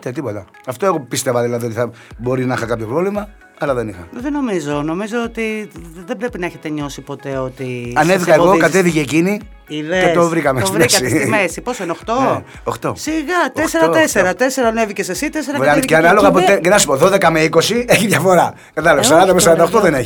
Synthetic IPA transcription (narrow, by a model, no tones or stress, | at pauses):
t̪et̪̬ipot̪ɐ | ɐft̪oe̞ɣo̞pist̪e̞vɐðilɐðio̞t̪iθɐbo̞ɾinɐixɐkɐpço̞pɾovlimɐ | ɐlɐðenixɐðeno̞mizo̞no̞mizo̞ot̪iðebɾepinɐeçet̪eɲo̞sipo̞t̪e̞ot̪iɐnevikɐeɣo̞kɐt̪eθiʝeːcini | iðet̪ovɾikɐmesɾmesɐismesiposeneoxt̪o | oxt̪osiɣɐt̪eseɾɐeseɾɐt̪eseɾɐnevicesesit̪eseɾɐkɐceanɐloɣɐpot̪ecenɐsu̥poðo̞ðekɐmeiko̞sieçiðʝɐfo̞ɾɐ | kɐt̪ɐloɐsɐɾɐnd̪ɐmesɐɾɐnd̪ɐoxt̪oðeneçi